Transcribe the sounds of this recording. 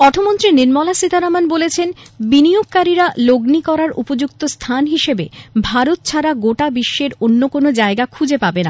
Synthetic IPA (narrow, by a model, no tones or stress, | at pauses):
ɔʈʰomont̪ɾiniɾmɔlasit̪aɾamanbolet͡ɕʰenbinijoɡ̚kaɾiɾaloɡnikɔɾaɾṵpod͡ʑukt̪ost̪ʰanɦiʃebebʱaɾot̪̚t͡ɕʰaɾaɡoʈabiʃːeɾonːokonod͡ʑaeɡakʰud͡ʑepabena